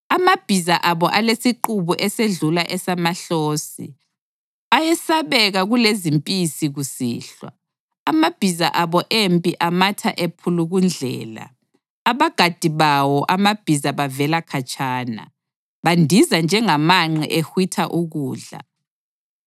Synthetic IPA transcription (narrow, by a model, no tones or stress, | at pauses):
amab̥ʱizaʔaβɔʔalesiǃuβuʔɛseɮulaʔɛsamaɬoːsḭ | ajɛsaβɛɣaɣulezimpʼisiɣusḭːɬwa̰ː | mab̥ʱizaʔaβɔʔempʼiʔamatʰa̰ʔepʰuluɣund͡ɮʱɛ̰ːla̰ː | βaɡ̥ʱad̥ʱiβawɔʔamab̥ʱizaβavɛlakʰat͡ʃʼaːna̰ | βandʱizand͡ʒʱɛŋamaŋ͡ǀɛ̰ʔexwitʰaʔuɣuːɮa̰